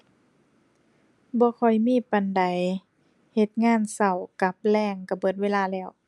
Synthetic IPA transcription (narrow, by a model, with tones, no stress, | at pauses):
bɔː˧˦kʰɔ˨˩jmiː˧˥˨pa˨˩nda˨j | he˧˩t̪̚ŋaː˧˥˨nsa˧˩wka˧˦p̚lɛː˧˩ŋka˧˩bɤː˧˩t̪̚weː˧˥˨laː˧˨lɛː˧˥˩w